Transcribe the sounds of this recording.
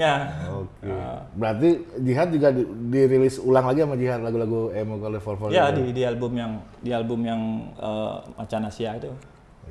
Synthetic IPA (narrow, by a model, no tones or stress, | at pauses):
ɲaokebəɾart̪id͡ʒiɦat̪̚d͡ʒuɡadiɾilɪsulaŋlaɡiamad͡ʒiɦat̪̚laɡulaɡuɛmokalofɔrfɔjadidialbʊmjaŋ | dialbʊmjaŋə̰ma̰t͡ʃanasiait̪u